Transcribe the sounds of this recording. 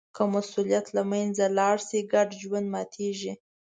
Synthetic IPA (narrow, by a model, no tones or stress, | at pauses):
kəmasulijat̪lamajnd͡zalɑɽsiɡaɖd͡ʒwand̪mɑt̪ʰeʒi